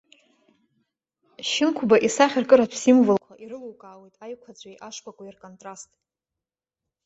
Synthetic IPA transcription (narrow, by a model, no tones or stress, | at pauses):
ʃɪnkʷʰbaʔisaχʲɪrkʼɨɾapʰsimvɨlkʷʰaʔiɾɨluwkʼaːwe̞jtʼajkʷʰad͡zʷʼajʔaʂpʷʼakʷʼairkʼontʼrastʼ